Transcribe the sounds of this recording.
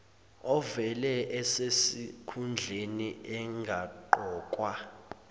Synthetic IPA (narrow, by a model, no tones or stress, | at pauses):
ɔvɛlɛʔɛsesikʰund͡ɮʱeniʔɛŋɡʱaǃɔːkʼwa